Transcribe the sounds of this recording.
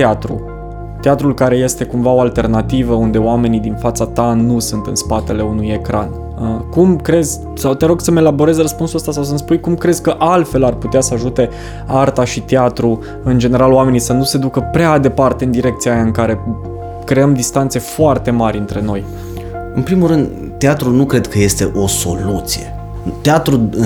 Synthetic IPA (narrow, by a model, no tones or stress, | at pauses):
t̪eat̪ɾṵ | t̪eat̪ɾulkaɾe̞je̞st̪e̞kumvao̞alt̪e̞rnat̪ivəund̪e̞oame̞nid̪infat̪sat̪anusunt̪ɨ̰nspat̪e̞le̞unuje̞kɾa̰n | əkumkɾe̞zʲ | sawt̪eɾo̞ɡsəme̞labo̞ɾe̞zrəspunsuləst̪asaws̬ənspujkumkɾe̞z̥ʲkəʔalt̪fe̞larput̪easəaʒut̪e̞ | art̪aʃit̪eat̪ɾu | ɨnd͡ʒe̞ne̞ɾaloame̞nisənuse̞d̪ukəpɾead̪e̞part̪e̞ɨnd̪iɾe̞k̚t̪siajaɨŋkaɾe̞ | kɾe̞əmd̪ist̪ant̪se̞foart̪e̞maɾʲɨnt̪ɾe̞no̞j | ɨnpɾimuɾɨnd̪ | t̪ːeat̪ɾunukɾe̞d̪kʰəje̞st̪e̞ʔo̞so̞̰lut̪sije̞̰ | t̪eat̪ɾu